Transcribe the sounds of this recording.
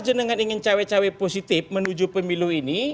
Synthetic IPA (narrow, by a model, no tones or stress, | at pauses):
d͡ʒənəŋaniŋɪnt͡ʃawet͡ʃaweposit̪ɪfmənud͡ʒupəmiluɦini